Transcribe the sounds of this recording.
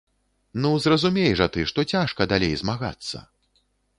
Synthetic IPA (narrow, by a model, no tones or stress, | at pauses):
nuzrɐzumʲejɛʐɐt̪ɨʂt̪ɔt͡sʲaʂkɐd̪alʲejzmaɣa̰t̪sːɐ̰